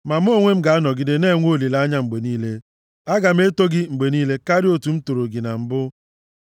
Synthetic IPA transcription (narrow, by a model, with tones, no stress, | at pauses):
ma˨m̩˦o˦ŋʷe˦m̩˦ɡa˨a˦nɔ˨ɡɪ˦dɪ˦ne˦˨ŋʷ˦o˦˨li˨la˦ɲa˦ŋ͡m̩˨ɡ͡be˨niː˦le˦ | a˦ɡa˨m̩˦e˦to˦ɡɪ˦ŋ͡m̩˨ɡ͡be˨niː˦le˦ka˦ɾɪ˦o˦tu˨m̩˦to˨ɾo˨ɡɪ˨na˨m̩˨bʊ˦